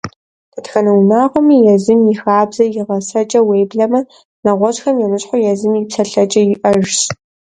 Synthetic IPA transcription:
dɐtxɐnɐwnaːʁʷɔmiːjɛzɨmjɪxaːbzɐjɪʁɐsɐt͡ʃʼɐweːjbɮɐmɐ | nɐʁʷɔɕxɐmjɛmɨɕħʷʊjɛzɨmjipsɐɬɐt͡ʃʼɐjɪʔɐʒɕ

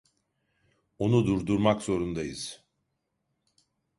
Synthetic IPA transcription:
onud̪uɾd̪uɾmakz̥o̞ɾund̪ajɯz̥

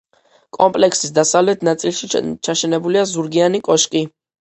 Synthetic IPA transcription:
kʼɔmpʼlɛksisd̪asavlɛt̪ʰnat̪sʼilˠʃit͡ʃʰaʃɛnɛbuliazuɾɡianikʼɔʃkʼi

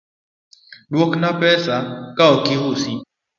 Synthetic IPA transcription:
doknapɛsakaokiɦusĩ

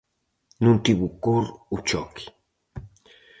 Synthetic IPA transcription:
nũnt̪iβukoɾut͡ʃɔki̥

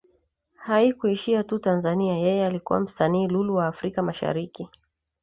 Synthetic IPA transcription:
haikuiʃiatutanzaniajɛjɛalikṵwa̰m̩saniːluluwaːfɾikamaʃa̰ɾiki

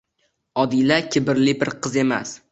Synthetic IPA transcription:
ɒd̪ilakʲʰɪbɪɾlɪbɪɾqʰɨze̞ma̰s

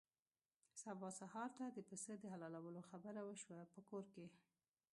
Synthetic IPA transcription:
sabɑsahɑɾt̪ad̪əpəsəd̪əɦalɑlawəloxabəɾawəʃwapəkoɾke

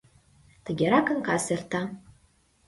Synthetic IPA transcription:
tʰaɡʲaɾakɨnkʰasertʰa

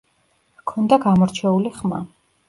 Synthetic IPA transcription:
kʰɔnd̪aɡamɔɾt͡ʃʰɛuliχma

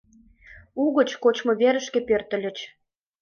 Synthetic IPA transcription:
uɣə̆t͡ɕkot͡ɕmŏβeɾə̆ʃkĕpørt̪ə̆lʲə̆t͡ɕ

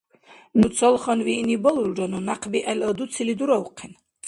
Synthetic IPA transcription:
nusʰɔlˠχɔnvinibɔluld͡ʒɔnunaqʰbiʔɛləd̪ut̪sʰilid̪uɾɔuqʰɛn

